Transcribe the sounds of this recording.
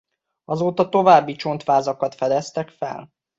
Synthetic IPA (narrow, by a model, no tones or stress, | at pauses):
ɒzoːt̪ɒt̪o̞vaːbːit͡ʃo̞nt̪ʋaːzɒkɒt̪fɛd̪ɛst̪ɛkfɛ̰l